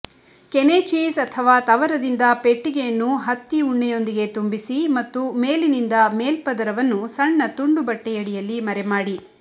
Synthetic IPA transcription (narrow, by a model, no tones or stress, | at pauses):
kenet͡ʃiːsɐt̪ʰɐʋaːt̪ɐʋɐɾɐd̪ind̪ɐpe̞ʈːiɡejɐnːuɦɐt̪ːiuɳːɛjo̞nd̪iɡe̞t̪umbisimɐt̪ːume̞ːlinind̪ɐmeːlpɐd̪ɐɾɐʋɐnːusɐɳːɐt̪uɳɖubɐʈːɛjɐɽijɐlːimɐɾɛmaːɽi